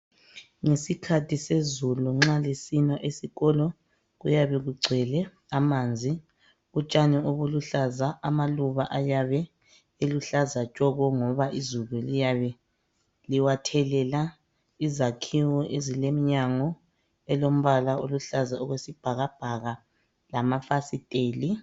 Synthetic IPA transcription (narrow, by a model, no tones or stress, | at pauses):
ŋesikʰatʰisezuluŋ͡ǁalesinaʔesiɣɔlɔ | ɣujaβɛɣuɡ͡ǀʱɛlɛ | amand͡zʱi | ɣut͡ʃʼanɛoβuluɬazaʔamaluβaʔajaβɛ | eluɬazat͡ʃʼɔɣɔŋɔβaʔizululijaβɛ | liwatʰɛlɛla | izakʰiwɔʔezilemiɲaŋɔ | ɛlom̩βalaoluɬazaɔɣwesib̥ʱaɣab̥ʱaɣa | lamafasitʼeːli